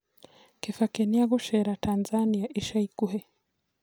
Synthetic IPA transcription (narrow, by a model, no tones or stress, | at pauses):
kɛfakɛniaɣuʃɛɾatanzaniaʔiʃaikuɦɛ